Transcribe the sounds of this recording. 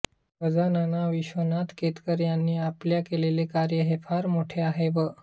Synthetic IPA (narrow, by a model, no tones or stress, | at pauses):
ʋəd͡zananaʋiɕʋənat̪ket̪kəɾjanːiːapljakelelekaɾjəɦefaɾmoʈʰeaɦeʋə